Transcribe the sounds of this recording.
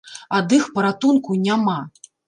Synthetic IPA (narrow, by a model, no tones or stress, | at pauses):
ad̪ɨxpɐɾat̪unkunʲama